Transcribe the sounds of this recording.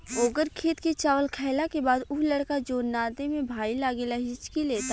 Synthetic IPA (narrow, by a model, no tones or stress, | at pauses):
oːɡəɾkʰeːt̪kit͡ʃaːʋəlkʰɛːlakebaːd̪ʊɦlɐɽkad͡ʒoːnːaːt̪emẽbʱaːilaːɡelaɦɪt͡ʃkileːt̪a